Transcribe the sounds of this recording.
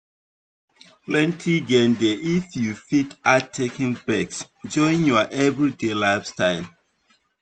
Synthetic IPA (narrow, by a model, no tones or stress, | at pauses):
plɛ̃ntʰiɡɛ̃ndeʔifjufitatʰːekĩŋbɛks | d͡ʒɔ̃ɪ̃njɔʔɛvɹidelaɪfstaɪl